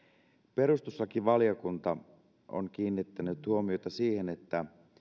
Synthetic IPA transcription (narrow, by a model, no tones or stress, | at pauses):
pe̞ɾust̪usːɑkiʋʋɑlijokunt̪ɑ | o̰ŋk̟iːnːit̪ːænyt̪huomiot̪ɑsiːhenet̪ːæ